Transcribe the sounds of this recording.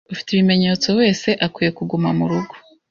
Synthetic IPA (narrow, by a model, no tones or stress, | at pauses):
ufi̥teβime̞ɲe̞t͡so̞we̞ːse̞ʔakwiːje̞kuɡumamuɾuɡo̥